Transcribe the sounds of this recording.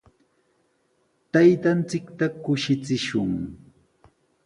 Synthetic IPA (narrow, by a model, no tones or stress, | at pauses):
t̪ajt̪ant͡sɪkt̪akʊʃɪt͡sɪʃʊŋ